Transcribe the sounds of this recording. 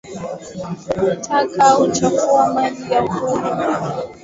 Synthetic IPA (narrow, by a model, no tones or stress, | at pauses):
tʰakʰaut͡ʃakuamaɗiɡakuɾa